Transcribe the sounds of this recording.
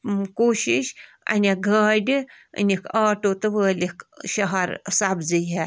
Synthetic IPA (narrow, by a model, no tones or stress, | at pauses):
koːʃiʃ | ɐ̰nʲɐɡʱaːɖʲɨ | ɨ̰nʲikaːʈoːt̪ɨʋəːlʲikʃɐɦɐɾsɐbzɨjɦe